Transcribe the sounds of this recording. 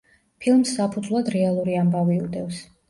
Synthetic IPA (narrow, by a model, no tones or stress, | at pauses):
pʰilˠmsːapʰud̪zvlˠad̪ɾɛalˠuɾiambaviud̪ɛvs